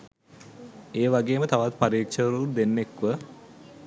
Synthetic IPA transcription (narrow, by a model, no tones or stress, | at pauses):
eːʋaɡeːmət̪aʋat̪paɾiːkʃəɾud̪enːekʋə